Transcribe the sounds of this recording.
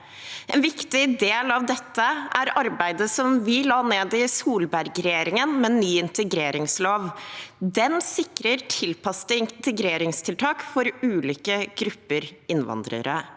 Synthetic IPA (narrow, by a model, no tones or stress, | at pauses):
ɛnʋɪkt̪ɪd̪eːlɑʋd̪ɛt̪ːəæɾɑɾbæɪd̪əsɔmʋɪlɑːneːd̪ɪsuːlbæɾɡɾɛjeːɾɪŋənmɛnyːɪnt̪əɡɾeːɾɪŋsloːʋd̪ɛnsɪkɾəɾʈʰɪlpɑst̪əɪnt̪əɡɾeːɾɪŋst̪ʰɪlt̪ʰɑːkfɔɾʉːliːkəɡ̥ɾʉpːəɾɪnʋɑ̰nd̪ɾə̰ɾə̰